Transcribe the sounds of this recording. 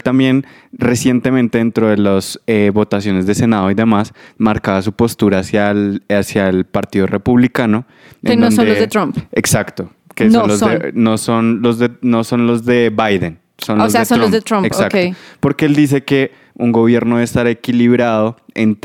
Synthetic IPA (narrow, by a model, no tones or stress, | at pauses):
t̪ambje̞n | re̞sje̞nt̪e̞mẽnt̪e̞ðent̪ɾoðeloseβo̞t̪asjo̞ne̞zd̪e̞se̞naðo̞iðe̞masmaɾkaβas̬upo̞st̪uɾasjaasjaelpaɾt̪iðo̞re̞puβlikano̞ | ḛnoonoeoet̪ɾompeksakt̪o̞ | kesonlozsenoso̞nlo̞zðeno̞so̞nlo̞zd̪e̞βajðen | sonlozeesonlozðet̪ɾomeksakeopo̞ɾkeeld̪is̬e̞ke̞ | uŋɡo̞βje̞ɾno̞ðest̪aɾe̞kiliβɾaðo̞ent̪